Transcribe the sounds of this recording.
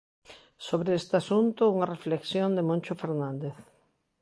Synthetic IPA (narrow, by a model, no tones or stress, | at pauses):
soβɾeest̪easunt̪ʊuŋarefleksjond̪emõnʲt͡ʃʊfeɾnãnd̪eθ